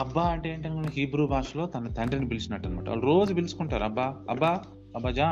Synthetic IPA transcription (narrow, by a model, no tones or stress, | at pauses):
ɐbːaːɐɳʈeeːɳʈɐnukoiɦiːbɾuːbʱaːʂɐlo̞ːt̪ɐnɐt̪ɐɳɖɾinibilit͡ʃinɐʈːɐnima̰ːʈɐa̰ːluɾo̞ːd͡ʒubilisu̥kuɳʈaːɾuɐbːaːɐbːaː | ɐbːaːd͡ʒaː